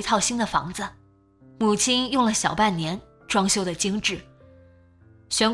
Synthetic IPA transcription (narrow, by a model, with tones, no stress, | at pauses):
i˧˥t̪ʰɑ˥˩ʊɕi˥nd̪ə˨fɑ̰˧˥ŋd͡zə˧ | mu˨˩t͡ɕʰi˥njʊ˥˩ŋlə˩ɕjɑ˨˩ʊpa˥˩nnjɛ˧˥n | ʈ͡ʂwɑ˥ŋɕjo˥ʊd̪ə˨t͡ɕi˥ŋʈ͡ʂɻ̩˥˩ | ɕɥɛ˧˥n